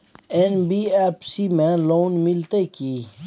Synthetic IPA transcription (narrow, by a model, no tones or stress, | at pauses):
enbiːepsimẽloːnmɪlt̪ekiː